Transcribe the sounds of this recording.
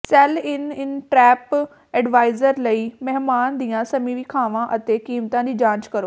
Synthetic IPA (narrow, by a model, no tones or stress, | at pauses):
sɛlɪnɪnʈɾɛːp | ɛɖʋaːɪzəɾləimɛɦmaːnd̪iːjãsɐmiʋikʰaːʋãʔɐt̪ekiːmt̪ãd̪d͡ʑiːd͡ʑãːt͡ʃkɐɾoː